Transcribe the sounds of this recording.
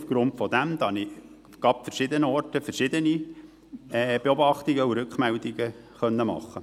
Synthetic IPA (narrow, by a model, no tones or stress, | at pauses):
ufɡ̥ɾʊntfɔd̪æmd̪ɑnɪ | ɡ̥ɑpfəɾʃɪd̪ənəɔrtəfəɾʃɪd̪əni | ɛb̥eɔbɑχt̪ɪɡəuɾʉkχmæld̪ɪɡə | χœnːəmɑ̰χːə